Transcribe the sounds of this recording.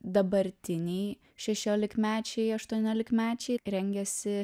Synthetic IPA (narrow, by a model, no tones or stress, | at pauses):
d̪ɐbɐɾʲt̪ʲɪnʲɛɪ | ʃʲɛʃʲoːlʲɪkmʲæːt͡ʃʲɛɪɐʃt̪uɔnʲoːlʲɪkmʲæːt͡ʃʲɛɪɾʲɛŋʲɡʲɛsʲɪ